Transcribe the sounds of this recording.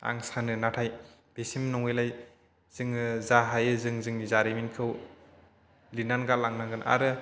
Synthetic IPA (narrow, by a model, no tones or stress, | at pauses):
a̰ŋsanɯnatʰaj | b̥esimnɔŋɯjlaj | z̥ɯŋɯzaɦajɯzɯŋzɯŋnizaɾiminkʰɯw | linanɡalaŋnaŋɡɯna̰ɾɯ